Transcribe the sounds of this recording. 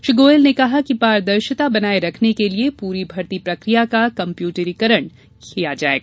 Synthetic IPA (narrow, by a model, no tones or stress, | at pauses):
ʃɪɡoːlnekɐɦakipaːɾd̪ɐɾʃət̪abɐnaːeɾɐkʰnekeliepuːɾibʱɐɾt̪ipɾɐkɾijakakɐ̃mpjuːʈəɾikɐɾəɳ̃ | kʰijad͡ʒa̰ːḛːɡaː